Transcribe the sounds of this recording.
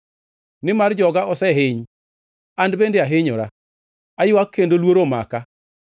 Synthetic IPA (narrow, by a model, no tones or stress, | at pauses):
nɪmard͡ʒɔɡaʔɔsɛɦɪɲ | andbendeaɦɪɲɔɾa | ajʊwakːendolwoɾoma̰ka